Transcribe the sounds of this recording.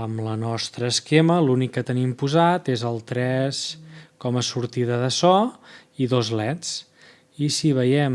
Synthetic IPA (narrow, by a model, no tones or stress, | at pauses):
əmlənɔst̪ɾəːskeməlunikːət̪ənimpuzat̪ezəlˠt̪ɾɛskɔməsuɾt̪iðəðəsɔ | iðozlɛtt͡s | isiβ̞əjɛm